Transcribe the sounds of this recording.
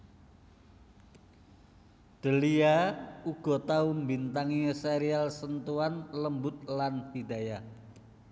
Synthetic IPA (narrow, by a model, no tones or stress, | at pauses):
d̪̥ə̤liauɡ̥ɔ̤t̪aumbint̪aŋiseɾialsənt̪uanləmbʊt̪̚lanfid̪aja